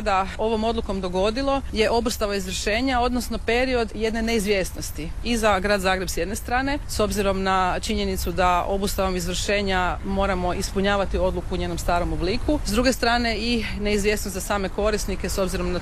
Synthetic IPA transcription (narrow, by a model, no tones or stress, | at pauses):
ad̪ao̞ʋo̞mo̞d̪lˠuko̞md̪o̞ɡo̞d̪ilˠo̞je̞ʔo̞bust̪aʋaizʋr̩ʃe̞ːɲao̞d̪nosno̞pe̞ɾio̞d̪je̞d̪ne̞ne̞izʋje̞ːsno̞st̪iizaɡɾaːd̪zaːɡɾe̞bsje̞d̪ne̞st̪ɾaːne̞so̞bziɾo̞mnat͡ʃiɲe̞nit̪sud̪ao̞bust̪aʋo̞mizʋr̩ʃe̞ːɲamo̞ːɾamo̞ʔispuɲaːʋat̪io̞d̪lukuːɲe̞ːnomst̪aːɾo̞mo̞bliːkʰuzd̪ɾuɡe̞st̪ɾaːne̞i | ne̞izʋje̞snost̪zasaːme̞ko̞ɾisnikeso̞bziɾo̞mna